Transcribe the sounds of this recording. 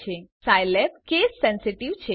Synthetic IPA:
esajlepkeːsːɛnsiʈiʋt͡ʃʰe

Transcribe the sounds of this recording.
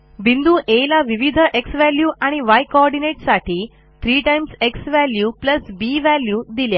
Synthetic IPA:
bind̪uːʔelaʋiʋid̪ʱəʔeksʋæljuːʔaɽ̃iʋajkoɔɾɖineʈsaʈʰiː | t̪ʰɾiːʈajmseksʋæljuːpləsbiʋæljuːd̪ilja

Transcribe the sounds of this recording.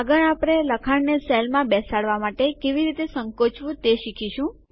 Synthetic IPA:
aɡəɳapɾeləkʰaɳneselmãbɛsaɽʋamaʈekeʋiɾit̪esə̃ŋkot͡ʃʰʋũt̪eʃikʰiʃũ

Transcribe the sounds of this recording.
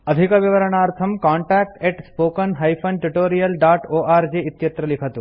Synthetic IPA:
ɐd̪ʱikəʋiʋəɾəɳ̃aːɾt̪ʰɐmkaːɳʈak̚ʈeʈspoːkənɦɐjfʰɐnʈuʈoːɾijəlɖaːʈoːʔaːɾd͡ʒiɪt̪jɐt̪ɾəlikʰət̪ũ

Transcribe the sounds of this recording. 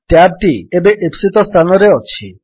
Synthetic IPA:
ʈɛb̚ʈiebeʔepsit̪ɔst̪ʰanoɾeɔt͡ɕʰi

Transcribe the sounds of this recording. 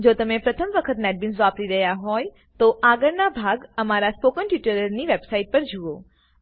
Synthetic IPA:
d͡ʒot̪əmepɾət̪ʰəmʋəkʰət̪nɛʈ̚bɪnsʋapɾiɾəɦjaɦɔj | t̪oʔaɡəɾnabʱaɡəmaɾaspokəɳʈɪʈəɾəɾniʋebsaiʈ̚pəɾd͡ʒuo

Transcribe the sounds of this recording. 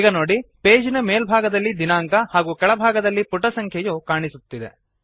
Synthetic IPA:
ɡɐnoːɽipeːd͡ʒinɐmeːlbʱaːɡɐd̪ɐlːid̪inaːŋkɐhaːɡuːkɛɭɐbʱaːɡɐd̪ɐlːipuʈɐsɐŋkʰjɐjuːkaːɳisut̪ːid̪ḛ

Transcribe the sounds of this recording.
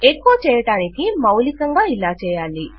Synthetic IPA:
ekːuɐt͡ʃɛːjɐʈaːnikimɐwlikɐŋɡaːilaːt͡ʃɛːjaːli

